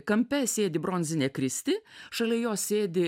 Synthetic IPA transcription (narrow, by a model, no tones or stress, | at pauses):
kɐmʲpʲɛsʲeːd̪ʲɪbɾɔnʲzʲɪnʲeːkɾʲɪsʲt̪ʲɪʃɐlʲɛjoːsʲeːd̪ʲɪ